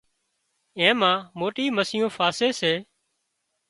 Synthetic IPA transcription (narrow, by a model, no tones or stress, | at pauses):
ẽːmãːmoːʈiːməsɪjõːfʰaːseːseː